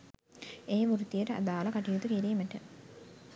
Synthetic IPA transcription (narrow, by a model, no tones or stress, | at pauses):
eːʋuɾut̪ijəʈəa̰d̪aːlɐkaʈijut̪ukiɾiːməʈə